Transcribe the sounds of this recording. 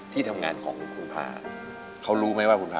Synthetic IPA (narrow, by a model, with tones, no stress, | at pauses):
t̪ʰiː˥˩t̪ʰa˧mŋaː˧nkʰɔ̰ː˩˦ŋkʰu˧npʰa̰ː˧˩ | kʰa˦˥wɾuː˦˥ma˦˥˩waː˥˩kʰu˧npʰaː˧